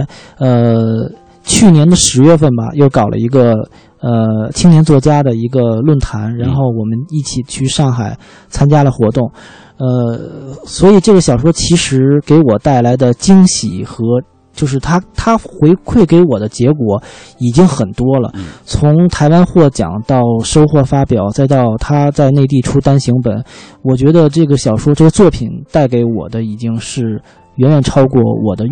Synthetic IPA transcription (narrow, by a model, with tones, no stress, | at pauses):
ə˧ | t͡ɕʰy˥˩njɛ˧˥nd̪ə˨ʂɻ̩˧˥ɥɛ˥˧fə˥˩nbɐ̰˩jo˥˩ʊkɑ˨˩ʊlʔə̰˦i˧˥ɡə˧ | ə˧t͡ɕʰi˥ŋnjɛ˧˥nt͡swɔ˥˩t͡ɕja˥d̪ə˨i˧˥ɡə˧lwə˥˩nt̪ʰa˧˥nɻa˧˥nxo˥˩ʊwɔ˨˩mə˦ni˥˩t͡ɕʰi˨˩t͡ɕʰy˥˧ʂɑ˥˩ŋxa˨˩ɪ | t͡sʰa˥nt͡ɕja˥lə˨xwɔ˧˥t̪ʊ˥˩ŋ | ə˧ | swɔ˧˥i˨˩ʈ͡ʂɤ˥˩ɡə˩ɕjɑ˨˩ʊʂwɔ˥t͡ɕʰi˧˥ʂɻ̩˧˥ke˧˥ɪwɔ˨˩t̪a˥˩ɪla˧˥ɪd̪ə˧t͡ɕi˥ŋɕḭ˨˩xɤ˧˥ | t͡ɕjo˥˧ʊʂ̬ɻ̩˥˩t̪ʰa˥t̪ʰa˥xwe˧˥ɪkʰwe˥˩ɪke˧˥ɪwɔ˨˩d̪ə˦t͡ɕjɛ˧˥kwɔ˨˧˥ | i˨˩t͡ɕi˥ŋxə˨˩nt̪wɔ˥lə̰˨t͡sʰʊ˧˥ŋt̪ʰa˧˥ɪwa˥nxwɔ˥˩t͡ɕjɑ̰˨˩˦ŋt̪ɑ˥˩ʊʂo˥ʊxwɔ˥˩fa˥pjɑ˨˩˦ʊt͡sa˥˧ɪt̪ɑ˥˧ʊt̪ʰa˥t͡sa˥˧ɪne˥˧ɪt̪̬i˥˩ʈ͡ʂʰu˥t̪a˥nɕi˧˥ŋpə̰˨˩˦nwɔ˨˩t͡ɕɥɛ˧˥d̪ə˧ʈ͡ʂɤ˥˩ɡə˩ɕjɑ˨˩ʊʂwɔ˥ʈ͡ʂɤ˥˩ɡə˩t͡swɔ˥˩pʰi˨˩nt̪a˥˩ɪke˧˥ɪwɔ̰˨˩d̪ə˦i˨˩t͡ɕi˥ŋʂɻ̩˥˩ | ɥɛ˧˥nɥɛ˨˩nʈ͡ʂʰɑ˥ʊkwɔ˥˩wɔ̰˨˩d̪ə˦